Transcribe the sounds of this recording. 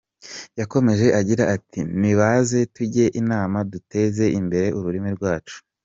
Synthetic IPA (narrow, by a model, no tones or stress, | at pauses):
jako̞me̞ʒe̞ʔaɟiɾaatimiβaze̞tuɟe̞ʔinaːmadute̞ze̞imbe̞ɾe̞ʔuɾuɾimiɾɡwaːt͡ʃu̥